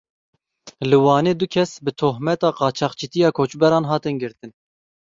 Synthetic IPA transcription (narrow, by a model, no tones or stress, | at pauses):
lɨwɑːneːd̪ʊkʰɛsbɨt̪ʰoɦmɛt̪ɑːqɑːt͡ʃʰɑːqt͡ʃʰit̪ijɑːkʰoːt͡ʃbɛɾɑːnɦɑːt̪ɨnɡɨɾt̪ɨn